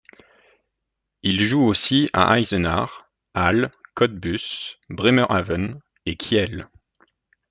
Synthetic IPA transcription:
ilʒuosia̰ʔajzəna̰ʁ | alkɔd̪̚bysbʁemœʁavən | ekʰʲiɛl

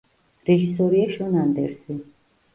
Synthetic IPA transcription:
ɾɛʒisɔɾiaʃɔnand̪ɛ̰ɾsi

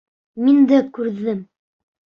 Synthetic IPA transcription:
mind̪ækʉɾðɘm

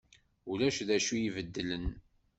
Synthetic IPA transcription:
ulæʃðæʃujivəd̪ːələn

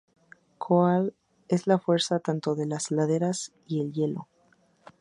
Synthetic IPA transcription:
kʰoal | e̞zlafwe̞ɾsat̪ant̪o̞ðe̞laslaðe̞ɾas | ie̞lje̞lo̞̰

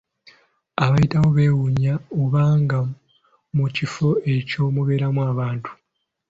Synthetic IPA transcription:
aβajitawo̞βe̞ːwuɲaoβaːŋɡa | mucifo̞e̞co̞ːmuβe̞ːɾamwaːβaːntʰu̥

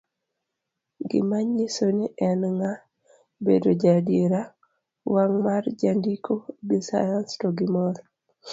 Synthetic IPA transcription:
ɡɪ̰maɲːisoniʔɛnŋa | bḛdod͡ʒadieɾa | waŋmard͡ʒandikʰobisa̰janstɔɡɪmɔɾ

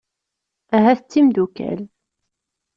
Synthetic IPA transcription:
æɦæθət͡sːimd̪ukæ̰l

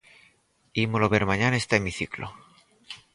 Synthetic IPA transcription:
imoloβeɾmaɲanaest̪emiθiklo̰

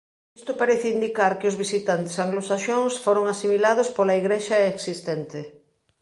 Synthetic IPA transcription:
est̪opaɾeθind̪ikaɾkɪozβisit̪ant̪ɪ̥saŋɡlosaʃoŋsfoɾoŋasimilað̞ʊspolaiɣɾeʃaeksist̪ɛnt̪ɪ

